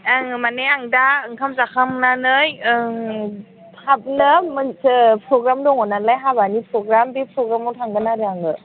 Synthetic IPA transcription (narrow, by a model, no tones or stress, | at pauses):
ŋmaneaŋdaɯŋkʰamzakʰamnanɯjɯ | ab̚nɯmpʰɾɔɡɾamdɔŋɔnalajɦabanipʰɾɔɡɾambipʰɾɔɡɾamɔtʰaŋɡɯnaɾeaŋɯ